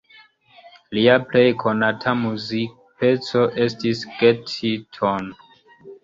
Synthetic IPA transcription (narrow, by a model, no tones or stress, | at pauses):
liaple̞jkʰo̞natʰamuzik | pe̞t͡so̞ʔe̞stisɡ̥etʰitʰon